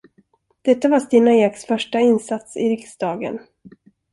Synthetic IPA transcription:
d̪̥ɛt̪ːavast̪iːnajeːksfœʂʈaɪnsat̪sɪ̰ɾɪksd̪ɑːɡə̰n

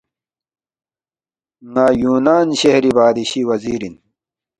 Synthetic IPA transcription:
naːjuːnaːnɕehɾibaːd̪iɕiwɐziːɾin

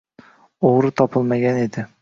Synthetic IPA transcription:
oʁɾɪt̪ʰɒpʰɪlˠmaɡʲane̞d̪ɪ

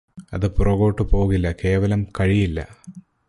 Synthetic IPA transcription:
ɐðɨpurɐɣo̞ːʈːɨpo̞ːɣilːɐke̞ːʋɐlɐmkɐɻijilːɐ̰

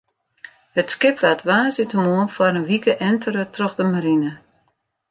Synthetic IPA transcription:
hətskɪpʋatʋaːzɪtəmuənfwaɾənʋikəʔɛntʰəɾətroxdəmaɾinə

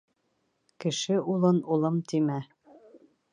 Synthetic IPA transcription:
kɘ̆ʃɘulˠɤnulˠɤmt̪imæ

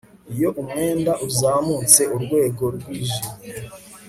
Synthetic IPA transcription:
ijo̞ʔumŋe̞ːndaʔuzaːmut͡se̞ʔuɾɡwe̞ːɡo̞ɾɡwiːʒim

